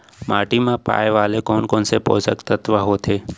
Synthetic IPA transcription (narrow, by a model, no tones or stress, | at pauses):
maːʈimãpa̰ːjeʋaːlekɔːnkɔːnsepo̰ːsəkt̪ət̪ʋaɦoːt̪ʰeː